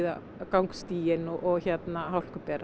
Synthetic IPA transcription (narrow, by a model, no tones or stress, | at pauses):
ða̰ | kawŋkst̪iːjɪnɔʔɔɣçɛt̪naɦawl̥kʏpɛːɾa